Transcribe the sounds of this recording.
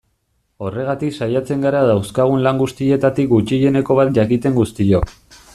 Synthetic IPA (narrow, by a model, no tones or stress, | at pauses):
o̞re̞ɣat̪iksajat͡se̞ŋɡaɾaðawskaɣ̞unlaŋɡust̪ie̞t̪at̪ik̚ɡut͡ʃiʎe̞ne̞ko̞β̞at̪̚ʝakit̪e̞ŋɡust̪io̞k